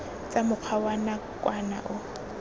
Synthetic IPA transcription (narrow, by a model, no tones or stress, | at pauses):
t͡sʼamʊq͡χʰawanakʼwana̰ʔʊ